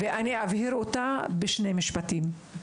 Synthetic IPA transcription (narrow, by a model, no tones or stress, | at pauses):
veʔaniavhiɾot̪abeʃnemiʃpat̪im